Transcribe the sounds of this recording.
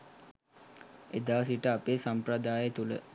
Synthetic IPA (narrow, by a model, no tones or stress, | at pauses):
ed̪aːs̬iʈəapeːsampɾəd̪aːjet̪ulə